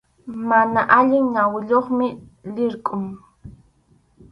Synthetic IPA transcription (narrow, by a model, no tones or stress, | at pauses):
manaʔaʎɪŋɲawɪʎoχmɪlɪɾkʼʊŋ